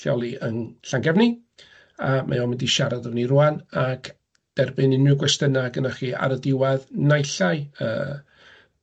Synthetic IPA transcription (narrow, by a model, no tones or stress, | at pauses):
jɔ̰lˠiənɬaŋɡɛvni | amʔa̰jɔmɪndiʃaɾadəvniruanak | d̥ɛrbɨnɪnɪɡwɛstənaɡənaχiːa̰ɾədɪwaðnajɬaɨə̰ː